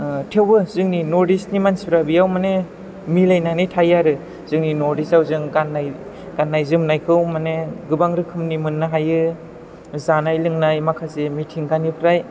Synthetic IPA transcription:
tʰewbɯzɯŋninɔɾdisnimansibɾabijawmane | milajnanitʰajaɾɯ | z̥ɯŋninɔɾdisawzɯŋɡanːaj | ɡ̥anːajzɯmnajkʰɯwmaneɡɯbaŋɾɯkʰɯmnimɯnːaɦajɯ | zanajlɯŋnajmakʰazemitʰiŋɡanipʰɾaj

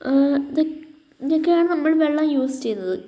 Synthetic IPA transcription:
iðo | ɲɐkːejaːɳɨnɐmːɐɭʋeɭːɐmjuːst͡ɕe̞jnːɐðɨ

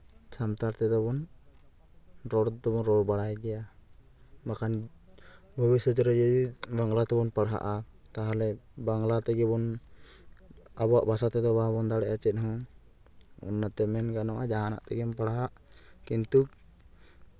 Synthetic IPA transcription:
t͡ʃʰamt̪aɾt̪ɛd̪ɔbɔn | ɾɔɽd̪ɔbɔnɾɔɽbaɽajɡ̪ɛja | makʰan | bʱɔbisɔd͡ʒɔɾɔd͡ʒɔd̪ibaŋɡlat̪ɛbɔnpaɽɦa̰ʔat̪aɦalɛbaŋlat̪ɛɡɛbɔn | abɔaʔbʱasat̪ɛd̪ɔbabɔnd̪aɽɛʔat͡ʃɛt̪̚ˀɦɔ̃ | ṵnːat̪ɛmɛnɡanaʔad͡ʒaɦana̰ʔt̪ɛɡɛmpaɽɦaʔ | kint̪uk̚

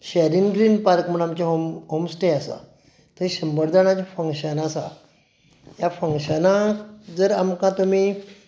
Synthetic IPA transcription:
ɕaɾinɡɾiːnpaɾkm̤əɽamt͡ɕẽɦomɦomsʈeasa̰ | t̪uiɕəmbəɾd̪ʱaɳãt͡ɕafəŋkɕənasa | jafəŋkɕənãd͡zəɾamkãt̪umi

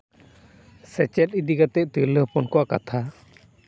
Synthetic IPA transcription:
sɛt͡ʃɛt̪̚id̪iɡat̪ɛʔt̪iɾleɔpɔnkɔwʔaka̰t̪ʰa

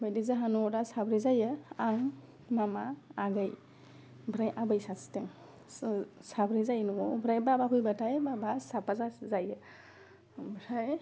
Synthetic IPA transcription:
bajdizaɦanuɔdasabɾizajɯaŋ | mamaːɡaj | bɾajʔabɯjsasteŋ | sabɾizajnuɔbɾajbabapʰujbatajbabasapazazajɯ | bɾaj

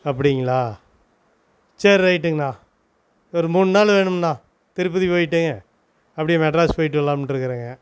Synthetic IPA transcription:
ɐp̬ːɐɽɪŋɡɐɭaː | t͡ʃeɾɾɐɪʈ̬ːɯŋɡɐnãː | ɔɾɯmuːnɯnaːlʋeːɳɯmnãː | t̪ɪɾɯp̬ːɯðipoːjɪʈːɯːŋɡɐ | ɐpːɐɽimɛʈɾaːspoːjɪʈːɯʋɐlːaːmʈːɪɾɯkːɯɾaːŋɡɐ

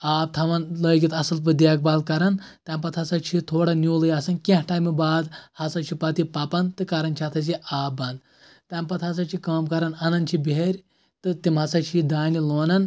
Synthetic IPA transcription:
aːp̚t̪ʰɐʋɐnləːɡʲit̪ɐsɨlp̬ɨd̪aːk̚baːlkɐɾɐnt̪ɐmpɐt̪ʰɐsɐt͡ʃʰit̪ʰoːɽɐnʲuːlɨjasɐnkẽɦʈaːmibaːd̪hɐsɐt͡ʃʰipɐt̪ipɐpɐnt̪ɨkɐɾɐnt͡ʃʰiɐt̪ʰɐs̬iaːbɐnd̪ | t̪ɐmpɐt̪ʰɦɐs̬ɐt͡ʃʰikaːmkɐɾɐnɐnɐnt͡ʃʰibeeɾʲ | t̪ɨt̪imɦɐsɐt͡ʃʰid̪aːnʲiloːnɐn

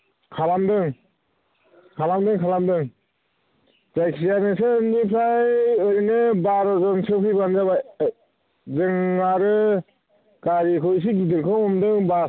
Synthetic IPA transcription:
kʰalamdɯŋ | kʰalamdɯŋkʰalamdɯŋ | zajksijanɯsɯnipʰɾajɯɾnɯbaɾɔzɔnsɯpʰibanzaba | zɯŋːaɾɯ | kaɾikʰɔjs̬iɡidɯɾkʰɯŋɔmdɯŋba

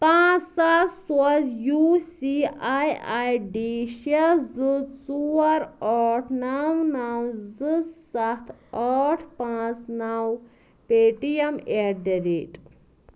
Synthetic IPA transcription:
pãːt͡ssat̪swɐt͡sjuːsiajajɖiʃɐzɨt͡suɐɾɔːʈʰnawnawzɨssɐt̪ʰaːʈʰpãːt͡snaw | peːʈijɐmedɐɾeʈ

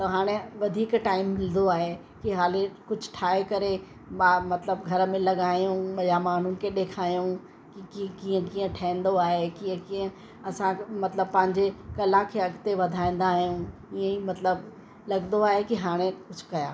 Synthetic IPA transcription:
t̪ɐɦaːɽ̃eʋɐd̪ʱiːkʈaːɪmːɪlnd̪oaːɦe | kiɦaːlekʊd͡ʑʱʈʰaːɦekɐɾe | mamɐt̪ləbɡʱɐɾəmẽlɐɠaːijũɓɐjamaːn̤ʊnɪ̆kʰeɗeːkʰaːjũ | kikĩkiːə̃kiːə̃ʈʰaɪ̃nd̪oaːɦekiːə̃kiːə̃ | ɐsãmɐt̪ləb̚pɐ̃ɦɪ̃ɲd͡ʑekɐlakʰeɐɡt̪eʋɐd̪ʱaːĩːn̆d̪aːɦijũ | iə̃imɐt̪ləb | lɐɡnd̪oaːɦekiɦaːɽ̃ẽkʊd͡ʑʱʊ̥kɐjaː

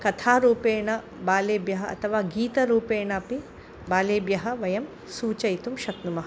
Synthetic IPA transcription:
kɐt̪ʰaːɾuːpeːɳɐ | baːleːbjɐɦɐɐ̰t̪ʰɐʋaːɡiːt̪ɐɾuːpeːɳɐːpi | baːleːbjɐɦɐ̆ʋɐjɐm | suːt͡ʃɐjt̪umʃɐknumɐɦɐ

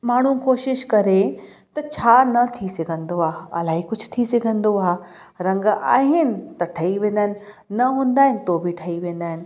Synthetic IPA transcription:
maːɽ̤ũkoːʃɪʃkɐɾe | t̪ɐt͡ɕʰaːnɐt̪ʰisɐɡʱə̃nd̪oaːɐ̰laːɦikʊd͡ʑ̆ʱt̪ʰisɐɡʱə̃nd̪oaː | ɾɐ̃ŋɡa̰ːɦɪnɪ̆t̪ɐʈʰɐiʋẽːnd̪aːɦɪnɪ̆ | nɐɦũːnd̪aːɦɪnɪ̆t̪obʱiʈʰɐiʋẽːn̆d̪aːɦɪnɪ̆

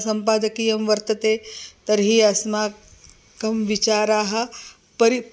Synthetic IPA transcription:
sɐ̃mpaːd̪ɐkiːjɐmʋɐɾt̪ɐt̪eːt̪ɐɾɦiːɐsmaː | kɐmʋit͡ʃaːɾaːɦɐ̆ | pɐɾi

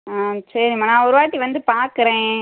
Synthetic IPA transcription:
asɐɾɪŋmanãːɔɾɯʋaːʈːiʋɐnd̪ɯpaːɾkɯɾẽː

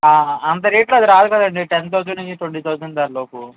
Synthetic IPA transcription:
aːɐnt̪̬ɐɾiːʈloɐd̪iɾaːd̪ukɐd̪ɐɳɖiʈent̪̬oːd͡ʒɐɳiit̪oɳːit̪oːd͡ʒɐnd̪ɐːɾloːku

